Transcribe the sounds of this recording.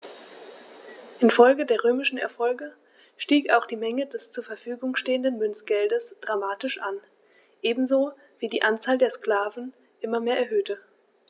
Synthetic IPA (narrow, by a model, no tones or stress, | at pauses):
ʔɪnfɔlɡədeːɐʁ̞øːmɪʃn̩ɛ̰ɐfɔlɡə | ʃtiːkaʊxd̥iːmɛŋədɛst͡suːɐfɛɐfyːɡʊŋʃteːəndənmʏnt͡sɡ̥ɛldəsd̥ʁamaːtɪʃʔan | ʔeːbm̩zoː | viːdiːʔant͡saːldeːɐskl̥aːvn̩ | ʔɪmɐmeːɐɛɐɦøːtə